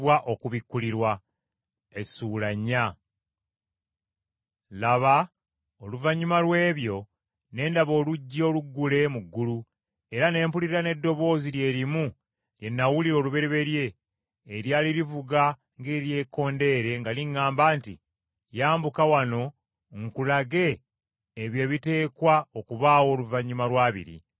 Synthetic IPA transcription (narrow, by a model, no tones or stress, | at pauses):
waʔokuβikːuliɾwa | esulaɲːa | laβa | oluvaɲːumalwe̞ːβjo̞ | ne̞ːndaβo̞ːluɟːo̞ːluɡːule̞muɡːulu | e̞ɾane̞ːmpuliɾiɾane̞dːo̞βo̞ːzilje̞ːɾimu | lje̞nːawuliɾo̞ːluβe̞ɾeβe̞ɾje̞ː | ɾjaːliɾivuɡa | ŋɡe̞ːɾje̞ːko̞ːnde̞ɾe̞ŋɡaliŋːaːmbaːnti | jaːmbukawano̞ | ŋkulaɡe̞ː | βje̞βite̞ːkwaokuβaːwo̞ːluvaɲːumalwaːβḭɾḭ